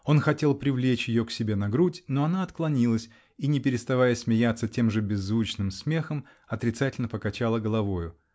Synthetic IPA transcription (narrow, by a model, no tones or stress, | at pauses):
o̞nxɐtʲe̞lˠpɾʲɪvlʲet͡ɕjɪjo̞ksʲɪbʲe̞nɐɡɾutʲno̞ɐnaɐt̪klˠɐnʲilˠəsʲ | inʲɪpʲɪɾʲɪst̪ɐvajəsʲmʲɪjat̪sːətʲe̞mʐɨbʲɪzːvut͡ɕnɨmsmʲe̞xəm | ɐt̪ɾʲɪt̪satʲɪlʲnəpəkɐt͡ɕalˠəɡəlˠɐvo̞jʊ